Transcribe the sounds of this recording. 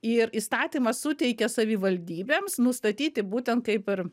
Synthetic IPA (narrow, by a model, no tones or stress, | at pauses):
ɪɾiːst̪ɑːt̪ʲiːmɐssʊt̪ʲɛɪkʲɛsɐʋʲɪʋɐlʲd̪ʲiːbʲeːmsnʊst̪ɐt̪ʲiːt̪ʲɪbuːt̪ʲɛnt̪̚kɐɪpɪr